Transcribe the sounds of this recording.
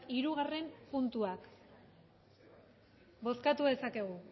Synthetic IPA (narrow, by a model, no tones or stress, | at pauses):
iɾuɣ̞are̞mpunt̪uak | bo̞skat̪uðe̞sake̞ɣ̞u